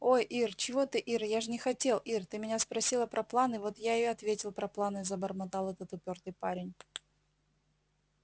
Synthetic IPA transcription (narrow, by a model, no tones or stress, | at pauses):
o̞jʔirt͡ɕɪvo̞t̪ɨʔirjaʐɨnʲɪxɐtʲe̞lˠʔirt̪ɨmʲɪnʲaspɾɐsʲilˠəpɾʔɐplˠanɨvo̞t̪jaɪjoɐt̪vʲetʲɪlˠpɾɐplˠanɨzəbərmɐt̪ɑlˠɛt̪ət̪ʊpʲo̞rt̪ɨjpaɾʲɪnʲ